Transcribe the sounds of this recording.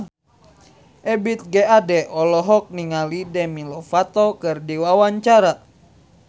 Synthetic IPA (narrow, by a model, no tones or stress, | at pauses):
ʔɛbit̪̚ɡɛadɛʔɔlɔɦɔk̚niŋalidɛmilɔfat̪ɔkɨrdiwawaɲt͡ʃaɾa